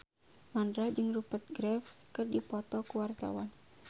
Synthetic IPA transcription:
mandɾad͡ʒɨŋrupət̪̚ɡɾɛfkɨrdipɔt̪ɔkuwart̪a̰wan

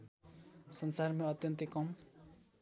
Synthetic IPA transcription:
sʌnsarmeʌt̪jʌnt̪ekʌm

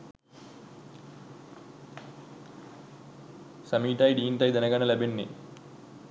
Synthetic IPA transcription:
sɐmiːʈɐːjɖiːnʈɐjd̪ɐnɐɡɐnɐlɐbenːḭ

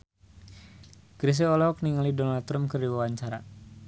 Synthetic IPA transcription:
ɡɾis̬eɔlɔk̚niŋalidɔnalt̪ɾamkɨrdiwawaɲt͡ʃaɾa

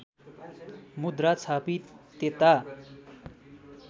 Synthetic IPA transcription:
mud̪rat͡sʰapit̪et̪a

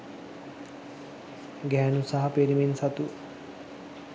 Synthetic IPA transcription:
ɡɛːnusaɦɐpeɾiminsɐt̪u

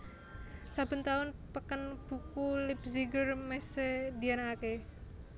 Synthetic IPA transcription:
sab̥ə̤nt̪aʊnpəkənb̥ukulɪpziɡərmesed̪ianaake

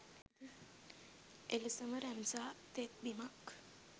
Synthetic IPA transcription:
ʔeləsəməɾæmsaːt̪et̪̚bimak

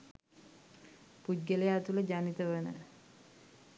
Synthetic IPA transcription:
pud̚ɡəlejaːt̪uləd͡ʒanit̪əʋənə̰

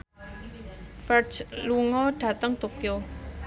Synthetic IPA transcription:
fɛrt͡ʃluŋɔɖ̥ä̤t̪əŋt̪okio

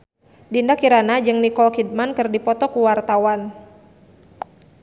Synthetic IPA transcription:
dindakiɾanad͡ʒɨŋnikɔlkid̚mankɨrdipɔt̪ɔkuwart̪awan

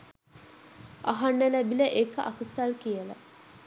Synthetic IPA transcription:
aɦanːəlæbiləʔekəʔɐkəsalkijələ̰

